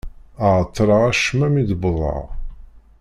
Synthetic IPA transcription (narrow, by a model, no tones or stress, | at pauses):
əʁt̪ˤːɾˤəʁæʃmæmid̪bðˤɑ̰ʁ